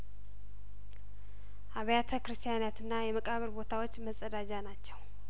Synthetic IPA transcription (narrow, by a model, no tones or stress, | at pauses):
ʔaβəjat̪ʰəkɾɨst̪ʰijanat̪ɨnːajɛməkʼaβəɾbo̞t̪ʰawo̞t͡ʃːməsʼːəd̪ad͡ʒanat͡ʃːɛw